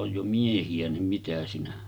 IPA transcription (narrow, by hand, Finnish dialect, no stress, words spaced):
oj jo miehiæ nim mitæ sinæ